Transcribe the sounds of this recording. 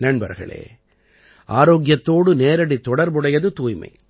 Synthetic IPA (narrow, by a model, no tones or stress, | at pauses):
nɐɳbɐ̰ɾɣɐ̰ɭḛː | ʔaːɾoːɡɪjɐt̪ːoːɽɯneːɾɐɽit̪ːɔɽɐɾbɯɽɐjɐðɯt̪uːjmɐ̰ɪ